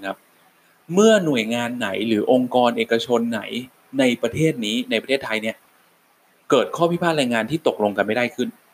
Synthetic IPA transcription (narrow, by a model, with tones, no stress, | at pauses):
kʰa˦˥p̚ | mɯ˥˩ɐnu˨˩əjŋaː˧nːa˩˦jɾɯː˩˦ʔo˧ŋkɔː˧nʔeː˨˩ka˧t͡ɕʰo˧nːa̰˩˦j | na˧jpɾa˧t̪ʰeː˥˩t̪̚niː˦˥na˧jpɾt̪ʰeː˥˩t̪ʰːa˧jni˥˩ɐ | kɤː˨˩t̪̚kʰɔː˥˩pʰi˦˥pʰaː˥˩t̪̚ɾɛː˧jŋaː˧nt̪ʰiː˥˩t̪o˨˩k̚lo˧ŋka˧nma˥˩jdaː˥˩jkʰɯ˥˩n